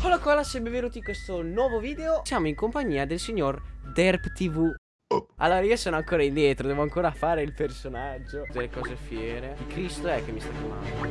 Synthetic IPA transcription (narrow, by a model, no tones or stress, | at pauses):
palokɔlasɛbeveːɾot̪ikwest̪onwɔːvoviːd̪eosjaːmoiŋkompaɲːiːad̪elsiɲːord̪ɛrpt̪ivu | a̰lːoːɾaiːosoːnoaŋkoːɾaind̪jɛːt̪ɾod̪ɛːvoaŋkoːɾafaːɾeilpersonad͡ʒːod̪elːekɔːzefjɛːɾeikɾist̪oɛk̟ːemːist̪akjama̰nd̪o